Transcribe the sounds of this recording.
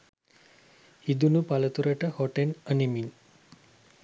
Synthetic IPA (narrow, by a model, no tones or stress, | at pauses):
hid̪unupalət̪uɾəʈəhoʈenənimin